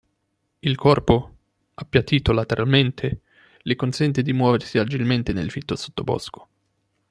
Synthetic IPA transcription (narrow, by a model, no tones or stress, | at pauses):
ilkɔrpo | apːjat̪iːt̪olat̪eɾʔalment̪ʰe | lekonsɛnt̪ed̪imwɔːversiad͡ʒilment̪enḛlfit̪ːoso̥t̪ːobɔ̰skʰo̥